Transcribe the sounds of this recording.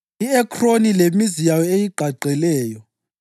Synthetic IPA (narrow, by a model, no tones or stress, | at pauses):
iɛkʰronilemizijajɔejiɡ͡ǃʱaɡ͡ǀʱɛlɛːjɔ